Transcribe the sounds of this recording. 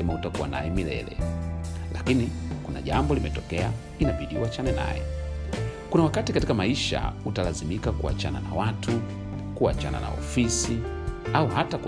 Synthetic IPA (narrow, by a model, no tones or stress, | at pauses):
ɛmautakuwa̰na̰jɛmilɛ̰lɛ̰ | lakinikuna̰ʄambɔlimɛtɔkɛa | inaɓiɗiuwat͡ʃanɛna̰jɛ̰ | kunawakatikatikamaiʃa̰utalazimikakua̰t͡ʃananawatʰu | kuat͡ʃana̰na̰ɔfisi | auhatak